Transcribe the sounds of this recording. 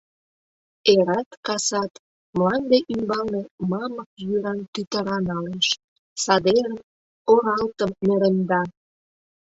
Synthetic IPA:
eɾɑt̪kɑsɑt̪ | məlɑnd̪eʔymbɑlnemɑmək̚jyɾɑnt̪yt̪əɾɑnɑleʃ | sɑd̪eɾə | oɾɑlt̪əmːeɾənd̪ɑ

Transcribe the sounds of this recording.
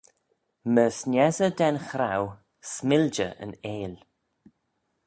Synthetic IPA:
məsnʲɛzədɛnxɾaw | smɪld͡ʒə̰ʔə̰neːl

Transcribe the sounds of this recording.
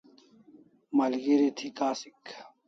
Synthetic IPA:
mɐlɡeɾet̪ʰikaːsik

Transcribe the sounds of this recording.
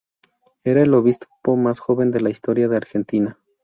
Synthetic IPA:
e̞ɾae̞lo̞βispo̞masxo̞βe̞nd̪e̞laist̪o̞ɾjaðe̞aɾxe̞nt̪ina

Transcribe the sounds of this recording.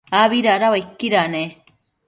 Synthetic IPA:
aβiɾaɾawaikːiɾane

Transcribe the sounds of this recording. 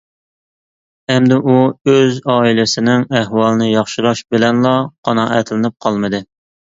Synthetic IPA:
ɛmd̪ɪʔuøzɑːilɪsɪnɪŋæɦwɑlˠɨnɨjɑχʃiɾˠɑʃbɪlɛnlˠɑqʰɑnɑːʔɛ̰t̪ʰlɪnɨp̚qʰɑlˠmɨd̪ɨ

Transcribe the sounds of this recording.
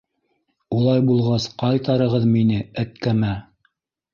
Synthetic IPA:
ulˠɑjbulˠʁɑsqɑjt̪ɑɾɤ̆ʁɤðminɘæt̪kæmæ

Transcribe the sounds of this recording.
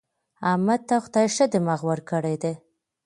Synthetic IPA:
amad̪̚t̪axt̪ɑjɪʃad̪əmaɣwəɾkəɽed̪e

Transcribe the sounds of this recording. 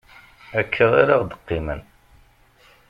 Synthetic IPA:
ækʰːəʁaɾɑʁd̪ə̥qːimə̰n

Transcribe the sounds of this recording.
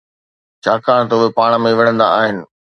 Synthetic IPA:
t͡ɕʰaːkaːɽ̃t̪ʊɦepaːɽ̃mẽʋɐɽ̃ə̃nd̪a̰aːɦɪnɪ̆

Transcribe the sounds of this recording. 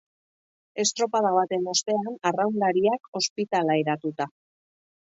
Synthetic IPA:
e̞st̪ɾo̞pað̞aβ̞at̪e̞nost̪e̞anarawnd̪aɾiako̞spit̪alaeɾat̪ut̪a

